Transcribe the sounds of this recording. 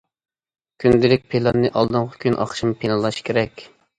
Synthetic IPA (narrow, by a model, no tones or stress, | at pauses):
kʲʰynd̪ɪlɪk̚ʲpʰelˠɑnːɨʔɑlˠd̪ɨŋʁə̥kʲʰynʔɑ̰χʃimpʰenɨlˠɑʃkʲʰeɾɛkʲ